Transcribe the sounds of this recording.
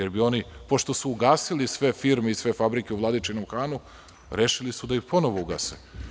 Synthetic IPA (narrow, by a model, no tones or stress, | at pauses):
eɾbio̞nipoʃt̪o̞suuɡaːsilisʋe̞fiɾmeisʋe̞fabɾikʲeuvlˠad̪it͡ʃinomxaːnu | ɾeʃilisud̪aipo̞no̞ʋouɡa̰se